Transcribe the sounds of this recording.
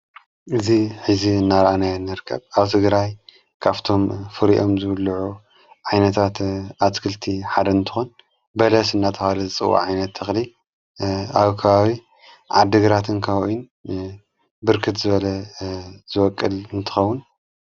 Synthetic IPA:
ʔɨziħɨziɨnːaɾɐʔanajnːɨɾkʰːɐ̰βaβt̪ʰɨɡɾaj | kʰaβt̪ʰo̞mfɨɾiʔo̞mzɨlːʕu | ʕajnɐt̪ʰat̪ʔaskʰɨlt̪ʰiħad̪ɐɨnt̪ʰɨ̥xun | bɐlɐsɨnːat̪ʰɐxalɨzɨt͡sʼɨ̰wʔa̰ʕajnɐt̪ʰːɨxli | aβkʰɐβaβi | ʕa̰d̪ːɨɡɾat̪ʰɨnkʰawoʔin | bɨɾkʰɨt̪zɨβɐlɐ | z̥ɨwɔkʼːɨlɨnt̪ʰɨ̥xɐwːʊn

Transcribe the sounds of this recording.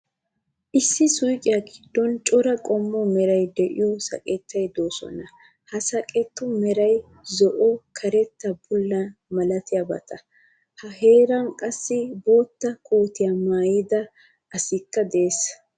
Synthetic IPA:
ʔɪsːɪsʊjkʼɪjɐɡɪd̪ːɔnt͡ʃʼɔɾɐkʼɔmːɔmɛɾɐjd̪ɛʔɪ̰jɔsɐ̰kʼɛt̪ːɐjd̪o̞ːsɔ̰nɐ | hɐsɐkʼɛt̪ːʊmɛɾɐj | zɔʔɔkʰɐɾɛt̪ːɐbʊlːɐmɐlɐt̪ɪjɐbɐ̰t̪ʰɐ | hɐɦe̞ːɾɐnkʼɐsːɪbo̞ːt̪ːɐkʰuːt̪ɪjɐmaːjɪd̪ɐ | ʔɐsɪkːɐd̪eeːs

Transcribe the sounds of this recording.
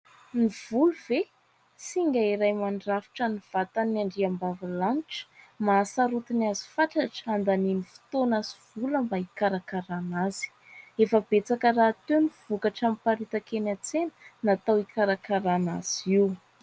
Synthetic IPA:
niv̥uluve | siŋɡaiɾajmaɳɖ͡ʐafi̥ʈ͡ʂaniv̥at̪anaɳɖ͡ʐiambavalanʈ͡ʂə̥masaɾut̪iniazi̥faʈ͡ʂaʈ͡ʂə̥and̪aninifi̥t̪onaz̥iv̥uləmbaikaɾakaɾanaz̥i̥ | efəbet͡sakərat̪eniv̥ukaʈ͡ʂampaɾit̪akenat͡senə̥nat̪awikaɾakaɾana̰z̥iw

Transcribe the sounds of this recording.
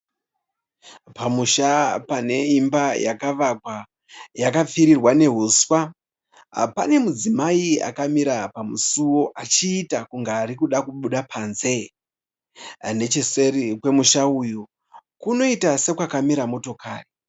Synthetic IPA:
pamuʃapane̞imbajakaʋakwa | jakap͡fiɾirwane̞ɦuswa̰ | pa̰ne̞mud͡zimaia̰kamiɾapamusuwo̞ʔat͡ʃiːtakuŋɡaːɾikuɗakuɓuɗapʰaːnze̞ | ne̞t͡ʃeserikwe̞muʃauju | kuno̞itase̞kwakamiɾamo̞to̞kaːri

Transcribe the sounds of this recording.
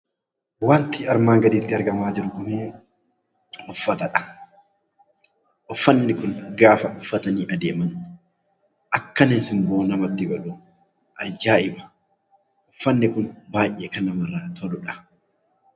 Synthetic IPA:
waːnt̪ɪɐɾmaːŋɡɐd̪iːt̪ːɪɐɾɡɐmaːd͡ʒɪɾʊɡʊmeː | ʊfːɐt̪ɐᶑɐ̥ | ʔɔfːɐnːɪkʊnɡaːfɐʊfːɐt̪ɐniːʔɐd̪eːmɐn | ʔɐkːɐnɛnsɪmboːnɐmɐt̪ːɪɡɔᶑʊ | ʔɐd͡ʒːaːɪbɐ̥ | ʔɔfːɐnːɪkʊnbaːjʔeːkɐnɐmɐrːaːt̪ʰɔlʊᶑɐ̥

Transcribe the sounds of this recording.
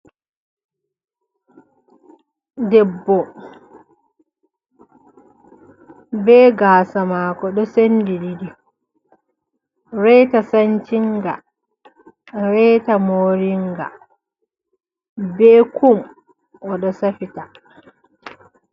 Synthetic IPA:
dɛbːɔ | bɛːɡaːsamaːkɔɗɔsendididi | ɾɛjtasaɲt͡ʃiŋɡa̰ | ɾɛtamoɾiŋɡa̰ | bɛːkum | ʔɔɗɔsafita

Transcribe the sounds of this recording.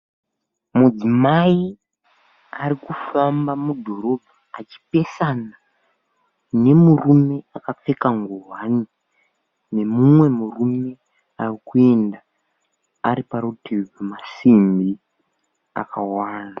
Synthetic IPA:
mud͡zimai | aɾikufambamudʱo̞ɾo̞bʱaːt͡ʃi̥pe̞sana | ne̞murume̞akap͡fekaŋɡuɦani | ne̞mumwe̞murume̞ | arikue̞nda | aɾipaɾutibamasimbi | a̰kawaːna

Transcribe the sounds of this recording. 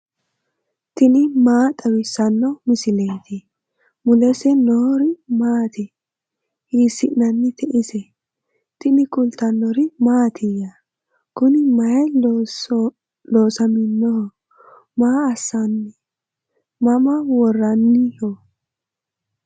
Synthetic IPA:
t̪ɪnɪmaːt̪ʼɐwɪsɐnːɔmɪsɪlejt̪ʰɪ | mʊlɛsɛnoɾɪmaːt̪ɪ | hiːsːɪʔnɐnːɪt̪ʰɛʔɪsɛ | t̪ɪnɪkʼʊlt̪ɐnːɔɾɪmaːt̪ʰɪjɐ | kʊnɪmɐjɛ | loːsɐmɪnːɔhɔ | maːɐsːɐnːɪ | mɐmɐwɔrːɐnːɪhɔ

